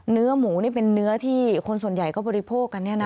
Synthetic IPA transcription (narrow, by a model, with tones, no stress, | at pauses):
nɯ˦˥ɐmuː˩˦ni˥˩ɐpe˧nːɯ˦˥ɐt̪ʰiː˥˩kʰo˧nsu˨˩ənja˨˩jkɔː˥˩bɔː˧ɾi˦˥pʰoː˥˩k̚ːa˧nːi˥˩ɐna˦